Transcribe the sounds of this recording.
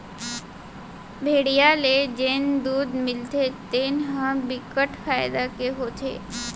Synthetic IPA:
bʱeːɽijaled͡ʒeːnd̪uːd̪mɪlt̪et̪eːnɦãbɪkəʈfaːɪd̪akeɦoːt̪ʰḛː

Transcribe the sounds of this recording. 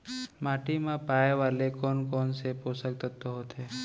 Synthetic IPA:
maːʈimãpaːeʋaːlekɔːnkɔːnseposək̚t̪ət̪ːoɦot̪eː

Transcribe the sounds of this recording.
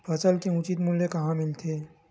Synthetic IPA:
pʰɐsəlkeʊt͡ʃit̪mʊlːekɐɦãmɪlt̪ʰe

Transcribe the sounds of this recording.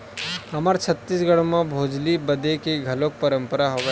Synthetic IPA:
ɦɐmaːɾt͡ʃʰɐt̪ːiːsɡəɽ̃mãbʱoːd͡ʒlibəd̪ekeɡʱɐlok̚pəɾə̃mpəɾaɦoʋe

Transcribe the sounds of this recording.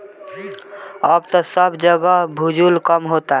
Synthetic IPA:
əbt̪ɔsəbd͡ʒəɡəɦbʱud͡ʒulkəmɦot̪a

